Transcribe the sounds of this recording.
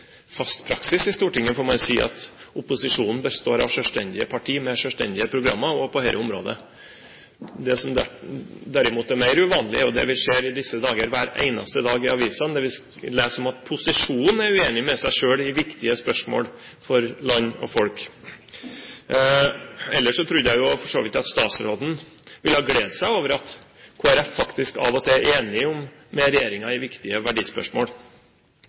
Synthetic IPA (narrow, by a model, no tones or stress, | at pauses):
fɑst̪pʰɾɑksɪsɪst̪uːʈɪŋːəfɔːɾmɑɪsiːʔɑ̰t̪ʊpʊsɪʂuːnn̩bəst̪oːɾɑ̰ʋʂœst̪ɛnd̪ɪəpʰɑʈʰiːmɛʂœst̪ɛ̰nd̪ɪəpʰɾʊɡɾɑ̰mːəɾɔpʰɔheɪʔə̰ʊmɾo̰ːd̪ə̰ | d̪ɛsɔmd̪æd̪æɾɪmuːt̪æmæɪɾʉʋɑːnlɪ̰ɔd̪ɛ̰ʋɪʂeːɾɪd̪ɪsːəd̪ɑːɡəɾʋæːɾæ̰ɪnɑ̰st̪əd̪ɑːɡɪɑʋiːsənd̪ɛʋɪ | leːsɔmɑt̪̚pʰʊsɪʂuːnn̩æɾʉeːnɪmɛsæɪʂøːɭɪʋɪkt̪ɪəspœʂmo̰ːl | fɔɾlɑnːɔ̰fɔlk | ɛlːəʂɔt̪ʰɾʉd̪əjæɪjʊfɔʂoːʋɪt̪ɑt̪st̪ɑːt̪sɾoːd̪n̩ | ʋɪlhɑːɡleːd̪sæɪoːʋəɾɑt̪ | kʰoːæɾɛfːɑkt̪ɪskɑ̰ːʋɔt̪ʰɛʔeːnɪɔmː | ɛɾɛjeːɾɪŋɑɪʋɪkt̪ɪəʋæɖiːspœ̰ʂmo̰ːl